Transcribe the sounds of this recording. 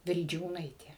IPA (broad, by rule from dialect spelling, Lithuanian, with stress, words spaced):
ʋʲɪlʲˈd͡ʒʲuːnɐɪtʲeː